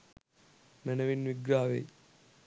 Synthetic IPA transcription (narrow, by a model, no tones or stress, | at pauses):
mɛnɐʋinʋiɡɾaːʋḛ